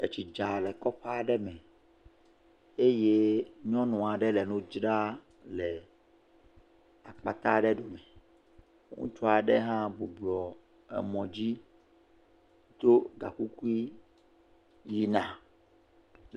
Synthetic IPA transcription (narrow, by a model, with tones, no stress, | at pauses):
e˨t͡ɕi˨d͡ʒa˨lɛ˨kɔ˦ɸa˦˨ɖɛ˦mɛ̃˨ | e˦je˦ɲɔ̃˦nɔ̃˨a˨ɖɛ˦lɛ˨nũ˦d͡ʒɖa˦ | lɛ˨ | a˨k͡pa˨t̪a˦ɖɛ˦ɖo˨mɛ˨ | ŋṵ̃˦t͡ʃɔ˦a˨ɖɛ˦ɦã˦bu˨blɔ˨ | ɛ̰˨mɔ̃˨d͡ʑi˦ | t̪o˦ɡa̰˨ku˦ku˦i˦ | ji˨nã˨